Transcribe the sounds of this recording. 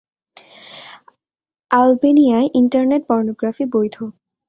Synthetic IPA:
albenijaeʔinʈaɾneʈ̚pɔɾnoɡɾafibojd̪ʱo

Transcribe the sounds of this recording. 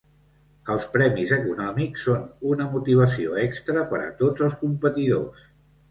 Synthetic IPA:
əlˠspɾɛmizəkunɔmiksːonunəmut̪iβ̞əsioɛkst̪ɾəpəɾə̰t̪od͡zəlˠskumpət̪iðo̰s

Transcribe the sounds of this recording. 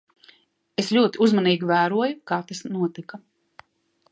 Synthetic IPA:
eslʲuɔt̪iuzmaniːɡʲivæːɾuɔjukaːt̪asnuɔt̪ika

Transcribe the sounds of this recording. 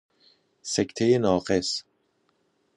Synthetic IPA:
sekʰt̪ʰejenɒːɢes

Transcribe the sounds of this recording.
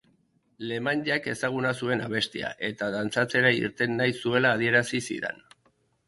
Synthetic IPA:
le̞mand̪iake̞saɣ̞unasue̞naβ̞e̞st̪ia̰ʔe̞t̪aðant͡sat͡se̞ɾaḭɾt̪e̞nːajsue̞laːð̞ie̞ɾasisḭðḛn

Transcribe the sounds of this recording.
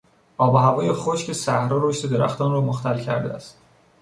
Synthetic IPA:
ʔɒːboɦævɒːjexoʃce̞sæhɾɒːɾoʃt̪e̞d̪e̞ɾæ̰xt̪ɒːnrɒːmoxt̪ʰælcʰæ̰ɾd̪eæst̪̚

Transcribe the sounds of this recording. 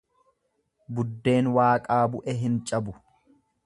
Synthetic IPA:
bʊd̪ːe̞ːnwaːkʼaːbʊʔɛɦɪnt͡ʃʼɐbʊ

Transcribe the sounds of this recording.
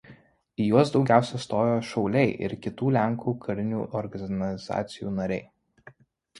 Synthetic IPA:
ijuɔsd̪ɒʊɡʲæˑʊsʲɛst̪oːjoːʃɒʊlʲɛɪʔɪ̰ɾkʲɪt̪uːlʲæŋˑkʰuːkʰɐɾʲɪnʲṵːʔɔɾɡɐnʲɐlʲɪzɑ̰ːt̪sʲɪjuːnɐɾʲɛɪ

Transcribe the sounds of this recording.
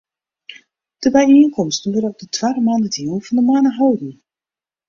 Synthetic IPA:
d̥əbɛjinkɔmstənʋəɾəɔp̚dətʰwaːdəmaːndədilˠvɑndəmaːnəɦawdən̩

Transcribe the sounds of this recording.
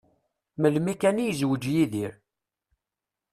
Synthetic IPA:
məlmikænijzwəd͡ʒjiðiɾ

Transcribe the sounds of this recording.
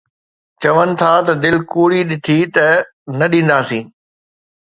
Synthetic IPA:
t͡ɕɐʋənɪ̆t̪ʰat̪ɐd̪ɪlkuːɽiɗɪt̪ʰit̪ɐ | nɐɗĩːn̆d̪aːsĩː

